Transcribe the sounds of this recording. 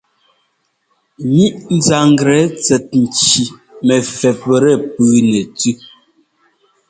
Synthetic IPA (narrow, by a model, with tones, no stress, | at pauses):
ɲi˦ʔn̩˨za˨ŋ˦ɡɾɛ˨˦t͡sɛ˨t̚n̩˨t͡ʃi˨mɛ˨fɛ˨pɾɛ˦˨pʉː˨nɛ˨tʉ˦